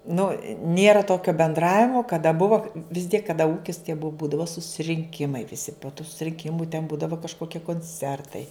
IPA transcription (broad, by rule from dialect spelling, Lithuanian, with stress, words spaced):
ˈnʊ ˈnʲeːrɐ ˈtoːkʲoː bʲɛnˈdrɑːʋʲɪmoː kɐˈdɐ ˈbʊʋoː ʋʲɪs tʲiɛk kɐˈdɐ ˈuːkʲɪs tʲiɛ bʊ ˈbuːdɐʋoː sʊsʲɪrʲɪŋʲˈkʲɪmɐɪ ʋʲɪˈsʲɪ poː tuː sʊrʲɪŋʲˈkʲɪmʊ tʲɛn ˈbuːdɐʋoː kɐʃkoːˈkʲiɛ koːnʲˈt͡sʲɛrtɐɪ